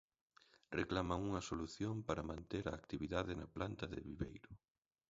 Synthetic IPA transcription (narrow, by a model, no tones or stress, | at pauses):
reklamaŋuŋɐsoluθjompaɾɐmãnt̪eɾɐːkt̪iβiðaðɪnɐplant̪ɐðɪ̰βiβḛjɾʊ